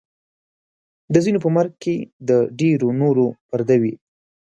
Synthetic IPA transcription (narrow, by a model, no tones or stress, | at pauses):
d̪əzinop̬əmaɾɡ̚ked̪əɖeɾonoɾopaɾd̪awi